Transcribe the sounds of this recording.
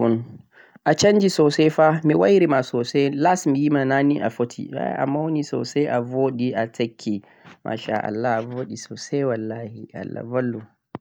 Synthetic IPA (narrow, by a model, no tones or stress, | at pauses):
un | ʔat͡ʃaɲd͡ʒisɔsɛfamiwajɾimasɔsɛlasmijimananiʔafotʰḭa̰ʔa̰mːawnisɔ̰sɛjʔavoːɗiʔatʰakʰːi | mʔa̰ʃa̰ʔa̰lːaavoɗisɔsɛjwalːahiʔa̰lːa̰valːu